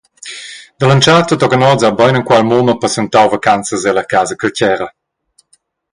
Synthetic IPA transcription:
d̪əlant͡ʃaːrt̪ət̪ɔɡənɔd͡zabajnəŋkwalmoməpəsɛnt̪awvakant͡səzɛləkaːzəkəlcɛɾə

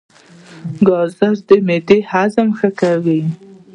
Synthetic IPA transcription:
ɡɑzaɾd̪əmed̪ehazamxəkawi

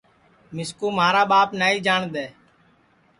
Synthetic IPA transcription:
mɪskuːmaːɾaːɓaːpnaːiːd͡ʒaːɳd̪ɛː

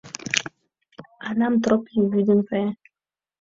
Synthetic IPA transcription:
anam̩t̪ɾɔpiwidiŋfɛ

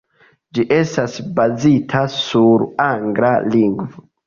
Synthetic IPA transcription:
d͡ʒiʔe̞stasbazitʰasuɾaŋɡlaliŋɡvo

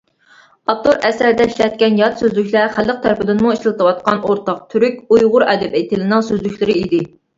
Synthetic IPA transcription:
ɑt̪oɾɛsæɾd̪ɛiʃlɛt̪̚kʲɛnjɑt̪søzlykʲlæχælːəq̚t̪ʰæɾpɪd̪ɪnmuiʃlɨlt̪ʰɨwɑt̪̚qɑnoɾt̪ɑq̚t̪ʰyɾykʲujʁʊɾɛd̪ɛpɪt̪ʰɪlɪnɨŋsøzlykʲlɪɾɪid̪ɪ

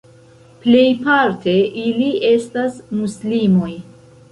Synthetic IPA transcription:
ple̞jpaɾte̞ʔilie̞stasmuslimo̞j

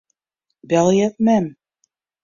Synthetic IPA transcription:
bælˠjæt̪mæm

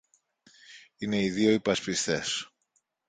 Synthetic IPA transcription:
ine̞iðio̞ipɐspist̪e̞s

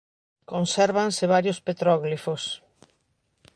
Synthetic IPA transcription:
konsɛɾβanseβ̞aɾjospet̪ɾɔɣlifos

